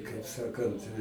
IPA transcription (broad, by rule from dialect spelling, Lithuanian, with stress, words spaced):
ɪ kɐɪp ˈsɑːkɐnt